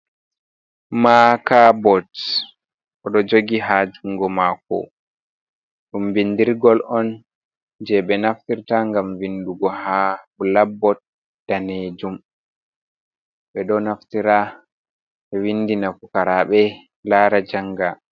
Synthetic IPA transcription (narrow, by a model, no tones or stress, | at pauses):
makabɔt | ʔɔɗɔd͡ʒoɡiɦad͡ʒuŋɡɔmakɔ̰ | ɗumvindiɾɡɔlɔn | d͡ʒɛɓɛnaftiɾtaŋɡamvinduɡɔhabulabːɔt̚ | d̥aned͡ʒum | ɓɛɗɔnaftiɾa | ɛwinːdinafukaɾaɓɛ | laːɾad͡ʒaŋɡa